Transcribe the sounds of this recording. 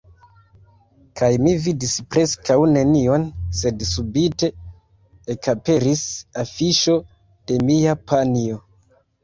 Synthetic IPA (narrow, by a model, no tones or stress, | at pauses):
kʰajmividispɾe̞skawne̞nio̞nse̞dsubite̞ | ekape̞ɾisafiʃo̞ | d̥e̞miapʰanio̞